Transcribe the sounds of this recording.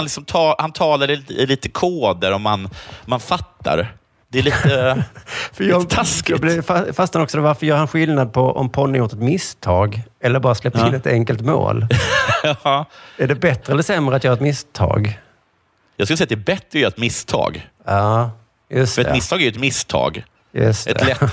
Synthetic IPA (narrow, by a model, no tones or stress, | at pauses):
nlɪksɔmt̪ʰɑhant̪ʰɑːlaɾɪliːt̪əkʰoːd̪əɾɔmːanmanfat̪ʰːa̰ɾ | d̪̥ɛɭiːt̪ə | fəjɑt̪ʰasklɪfafast̪aɾɔksɔd̪ɛvaɾfəɾjœːɾhanɧɪlnad̪̚pʰɔʔɔ̰mpʰɔnːəjuːʈ̪ɛt̪mɪst̪ʰɑːɡɛlːəɾbɑːɾaslɛp̪̚ɪnɛt̪ɛŋkəlt̪mo̰ːl | æɖɛbɛt̪ɾɛlːəsɛmːɾəat̪jːhɾɛt̪mɪst̪ʰɑ̰ːɡ | jɑɡskɵlsɛjat̪̚d̪ɛɛbɛt̪ɾəjœːɾɛt̪mɪst̪ʰɑ̰ːɡ | ɑː | jɵst̪ɛɛmɪst̪ʰɑːɡæɾjʉɛt̪mɪst̪ʰɑ̰ːɡ | jɵ̰st̪ɛ̰ɛlɛ